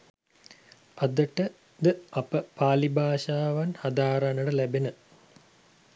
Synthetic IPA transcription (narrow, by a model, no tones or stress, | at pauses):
ad̪əʈə | d̪əapəpaːlibʱaːʃaːʋanhad̪aːɾanəɖəlæbenə